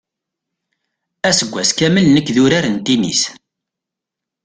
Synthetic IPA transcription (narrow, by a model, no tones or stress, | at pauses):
æsəɡʷːæskæməlnəkːðʊɾaɾənt̪inḭs